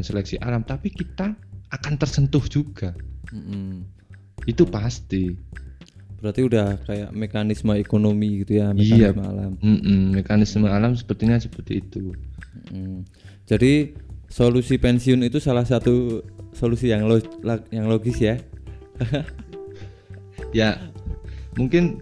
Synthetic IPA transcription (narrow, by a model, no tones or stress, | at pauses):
nselɛksiʔa̰lamt̪apikit̪aːkant̪ərsənt̪ʊhd͡ʒuɡ̥am̩ʔm̩ | it̪upast̪i | b̥əɾart̪iudahkaja̰ʔmekanisməekonomiɡit̪ujameiaasmaa̰lamm̩m̩ːekanɪsmaalamsə̥pərt̪iɲasə̥pərt̪iːt̪um̩ʔm̩ | d͡ʒadisolusipɛnsiʊnit̪usalahsat̪usolusijaŋlojaŋloɡɪsja | ja | muŋkɪn